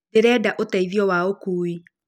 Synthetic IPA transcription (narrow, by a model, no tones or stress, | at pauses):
eɾɛːdaʔotaiðiɔwaokuːi